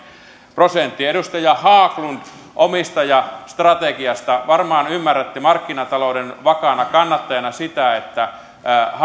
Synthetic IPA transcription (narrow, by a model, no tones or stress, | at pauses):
prosent̪ːiedust̪ɑjɑhɑːklunt̪ | ʔomist̪ɑjɑst̪rɑt̪ekiɑst̪ɑʋɑrmɑːnymːærːæt̪ːimɑrkːinɑt̪ɑloudenʋɑkɑnɑkɑnːɑt̪ːɑjɑnɑsit̪æet̪ːæ | h